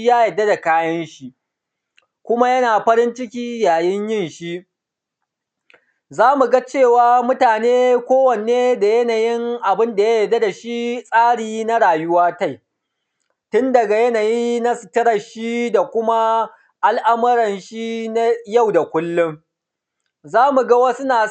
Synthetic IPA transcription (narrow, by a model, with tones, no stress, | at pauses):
jaː˦jɐ˨dːa˦da˨kaː˦jɐ˦nʃi˦ | kʷʊ˦ma˦jɐ˦naː˨ɸɐ˦ɾɪ˦nt͡ʃɪ˦kʲiː˦jaː˨jɪ˦ɲjɪ˦˨nʃi˦ʔ | zaː˦mu˨ɡa˦t͡ʃeː˦˨waː˦mʊ˦taː˨neː˦kʷoː˦wɐ˨neː˦da˨jɐ˦naː˨jɪ˦ŋʔa˨bɪ˦nda˨ja˦jɐ˨dːa˦da˨ʃi˦sʼaː˦ɽiː˨na˦ɽaː˨jʊ˦waː˦ta˦˨j | tʊ˦ndɐ˨ɡa˨jɐ˦naː˨jiː˦na˦sɪ̥˨tɐ˦ɾɐ˨ʃi˦da˨kʷʊ˦ma˦ | ʔa˨lʔa˦mʊ˦ɾɐ˨nʃi˦na˦ja˦˨wda˨kʷʊ˦lːʊ˦ŋ | zaː˦mu˨ɡɐ˦wa˦sʊ˦naː˨